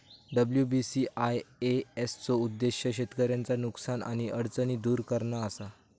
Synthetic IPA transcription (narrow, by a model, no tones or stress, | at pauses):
ɖəbljubisiʔajeest͡soud̪ːeɕjəɕet̪kəɾjãnt͡sanuksanʔa̰ɽ̃iəɽt͡səniːd̪uːɾkəɾɳaːsa